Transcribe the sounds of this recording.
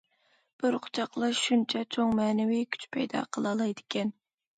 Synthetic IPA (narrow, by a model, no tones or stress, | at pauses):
b̥ɪɾqʰʊ̥t͡ʃʰɑqlˠɑʃunt͡ʃʰɛt͡ʃʰoŋmɛːnɪwikʲʰy̥t͡ʃpʰɛjd̪ɑ̰qʰəlˠɑlˠɑjd̪ɪkʲʰɛn